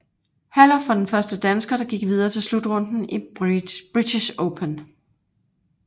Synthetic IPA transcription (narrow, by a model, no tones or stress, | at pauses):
hæl̰ɐfɑ̈d̥enfɶɐsd̥əd̥ænsɡ̥ɐɾ̥ɑ̈ɡ̥iɡ̥ʋið̞ˠɐːt͡sʰe̝lslud̥ʁɔ̽n̰d̥n̩ib̥ʁidʰiɕoʊpʰən